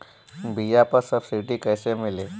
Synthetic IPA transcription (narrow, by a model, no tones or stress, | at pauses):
bʱijapəɾsəbsiʈikəjsemile